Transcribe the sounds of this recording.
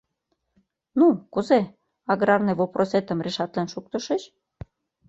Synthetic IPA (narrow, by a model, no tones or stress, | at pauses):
nukuze | ɑɣɾɑrnĕβoprʔoset̪ə̆mreʃɑt̪lenʃukt̪ɤ̆ʃəɕ